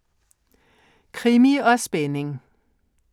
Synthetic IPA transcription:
kʰʁimiɒsb̥enɪŋ

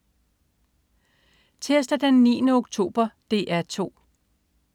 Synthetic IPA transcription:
t͡sʰesd̥ɐd̥enːḭːnəoɡ̥̚t͡sʰo̝̰ːb̥ɐd̥e̝̰ːʔæɐt͡sʰo̝̰ː

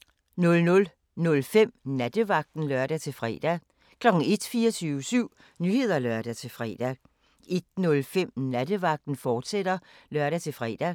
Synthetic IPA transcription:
nɔ̽lnɔ̽l | nɔ̽lfem̰næd̥əʋɑ̈ɡ̥̚d̥n̩lœɐd̥æt͡sʰe̝lfʁɛ̰ːd̥æ | kʰlɒ̽ɡ̥n̩e̝d̥fiːɐt͡sʰyːʊəsyʊ̰ | nyːhe̝ð̞̰ˠɐlɶɐd̥æt͡sʰe̝lfʁɛ̰ːd̥æ | e̝d̥̚nɔ̽lfem̰næd̥əʋɑ̈ɡ̥̚d̥n̩fɒːd̥seɾ̥ɐlɶɐɾ̥æt͡sʰe̝lfʁɛ̰ːd̥æ

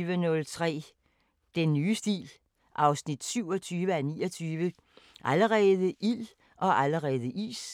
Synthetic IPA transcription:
ʋənɔ̽lt͡sʰʁɛ̰ː | d̥enːyːsd̥ḭːl | ʔɑ̈ʊsnid̥syʊ̰ɒt͡sʰyːʋəænḭːɒt͡sʰyːʋə | ʔæləʁɛːðˠəʔil | ʔɒ̽ʔæləʁɛːð̞ˠəʔḭːs

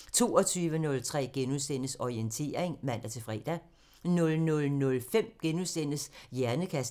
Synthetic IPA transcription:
t͡sʰo̝̰ːɒ̽t͡sʰyːʋənɔ̽lt͡sʰʁɛ̰ːɡ̥enusen̰əsɒient͡sʰe̝̰ːɐeŋmæn̰d̥æt͡sʰe̝fʁɛːd̥æ | nɔ̽lnɔ̽lnɔ̽lfem̰ɡ̥enusen̰əsjæɐnəkʰæs

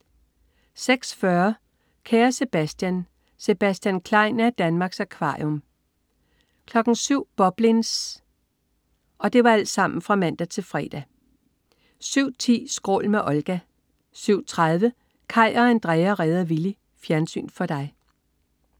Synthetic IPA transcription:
seɡ̥sfɶɐ | kʰæːɐse̝b̥æsd̥jæn | se̝b̥æsd̥jænkʰlɑ̈ɪ̰næd̥ænmɑ̈ːɡ̥sækʰʋɑ̈jom | kʰlɒ̽ɡ̥n̩syʊ̰b̥ɒ̽b̥lins | ɒ̽d̥e̝ʋɑ̈æl̰d̥sɑ̈m̰n̩fʁɑ̈mæn̰d̥æt͡sʰe̝lfʁɛ̰ːd̥æ | syʊ̰t͡sʰḭːsɡ̥ʁo̝̰ːlmeʔɒ̽lɡ̥æ | syʊ̰t͡sʰʁað̞ˠʋə | kʰɑ̈ɪ̰ɒ̽ænd̥ʁɛɪɐʁɛːðˠɐʋili | fjæɐnsy̰ːnfɒ̽d̥ɑ̈ɪ

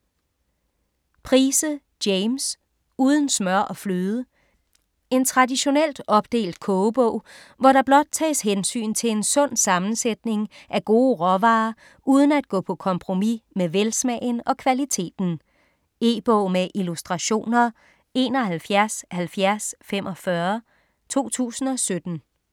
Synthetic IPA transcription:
pʰʁiːsə | d̥eɪms | uːð̞ˠn̩smɶɐ̰ʔɒ̽flyːð̞ˠə | e̝nt͡sʰʁɑ̈diɕo̝nel̰d̥ɒ̽b̥̚d̥e̝̰ːld̥̚kʰɔːb̥ɔ̰̽ʊ̰ | ʋɒɾɑ̈b̥lɒ̽d̥̚t͡sʰɛ̰ːsɦensy̰ːnt͡sʰe̝le̝nsɔ̽n̰sɑ̈mn̩sed̥ne̝ŋʔæɡ̥o̝ːʁɒʋɑ̈ː | uːð̞ˠn̩æd̥̚ɡ̥ɔ̰ːpʰɒ̽kʰɒ̽mpʰʁo̝mimeʋelsmɛɪnɒ̽kʰʋælit͡sʰe̝̰ːd̥n̩ | e̝̰ːb̥ɔʊ̰meʔilusd̥ʁɑ̈ɕo̝̰ːnɐ | e̝̰ːnɒ̽hælfjæɐshælfjæɐsfemʔɒ̽fɶɐ | t͡sʰo̝̰ːt͡sʰṵːsn̩ɒ̽sød̥n̩

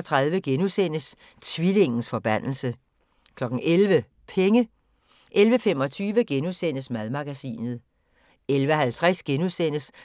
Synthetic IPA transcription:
t͡sʰʁɑ̈ðˠʋəɡ̥enusen̰əs | t͡sʰʋile̝ŋn̩sfɒ̽b̥æn̰l̩sə | kʰlɒ̽ɡ̥n̩ʔelʋə | pʰeŋə | ʔelʋəfem̰ɒ̽t͡sʰyːʋəɡ̥enusen̰əsmæðˠmɑ̈ɡ̥æsḭːnð̩ˠ | elʋəɒɦælt͡sʰʁasɡ̥enusen̰əs

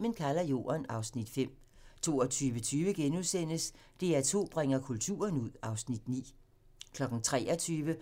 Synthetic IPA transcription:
mənkʰælɐjo̝̰ːɐnɑ̈ʊsnid̥fem̰ | t͡sʰo̝̰ːɒt͡sʰyːʋət͡sʰyːʋəɡ̥enuðˠsen̰əs | d̥e̝æt͡sʰo̝̰ːb̥ʁeŋɐkʰult͡sʰṵːɐnuð̰ˠɑ̈ʊsnid̥nḭː | kʰlɒ̽ɡ̥ŋ̩t͡sʰʁɛ̰ːɐt͡sʰyːʋə

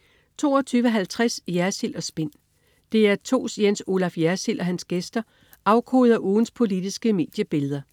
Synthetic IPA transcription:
t͡sʰo̝̰ːɒt͡sʰyːʋəɦælt͡sʰʁasjæɐsil̰ɒ̽sb̥e̝n̰ | d̥e̝æɐt͡sʰo̝̰ːsjenso̝ːlɑfjæɐsil̰ʔɒ̽ɦænsɡ̥esd̥ɐ | ʔɑ̈ʊkʰo̰ːð̞̩ˠɒʔuːn̩spʰo̝lid̥isɡ̥əme̝̰ːd̥jəb̥e̝ləð̞ˠɐ

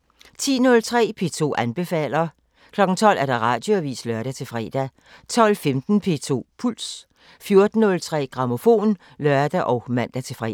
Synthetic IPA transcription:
t͡sʰḭːnɔ̽lt͡sʰʁɛ̰ːpʰe̝ːt͡sʰo̝̰ːʔænb̥e̝fɛ̰ːlɐ | kʰlɒ̽ɡ̥n̩t͡sʰɒ̽l̰ʔæɐɾ̥ɑ̈ʁɑ̈ːd̥jo̝æʋḭːslœɐɾ̥æt͡sʰe̝fʁɛ̰ːd̥æ | t͡sʰɒ̽lfemd̥n̩pʰe̝̰ːt͡sʰo̝̰ːpʰuls | fjo̝ɐd̥n̩ːɔ̽lt͡sʰʁɛ̰ːɡ̥ʁɑ̈mo̝fo̝̰ːn | lɶɐd̥æʔɒʊmæn̰d̥æt͡sʰe̝fʁɛ̰

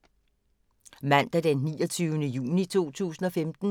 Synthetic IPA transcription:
mæn̰d̥æd̥enːiːɒt͡sʰyːʊənəjṵːnit͡sʰo̝̰ːt͡sʰṵːsn̩ɒ̽femd̥n̩

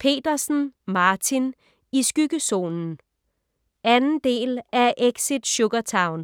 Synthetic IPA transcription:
pʰe̝̰ːd̥ɐsn̩mɑ̈ːt͡sʰin | isɡ̥yɡ̥əso̝̰ːnn̩ | ænn̩d̥e̝̰ːlæʔeɡ̥sid̥ɕɔɡ̥ɐt͡sʰɑ̈ʊn

